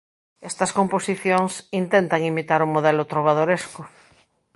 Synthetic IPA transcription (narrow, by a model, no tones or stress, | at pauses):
est̪ɐskomposiθjoŋsint̪ent̪aŋimit̪aɾumoðelot̪ɾoβ̞að̞oɾeskʊ